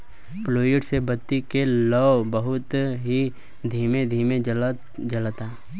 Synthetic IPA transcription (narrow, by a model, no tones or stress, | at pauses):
ploːjɪʈsebət̪ːikelɔːbəɦʊt̪ɦi | d̪ʱiːmẽd̪ʱiːmẽd͡ʒ | d͡ʒəlat̪aː